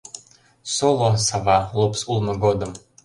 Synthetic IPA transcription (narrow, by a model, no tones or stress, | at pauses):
solˠosɑvɑlˠupsulˠmɤ̆ɡod̪ə̆m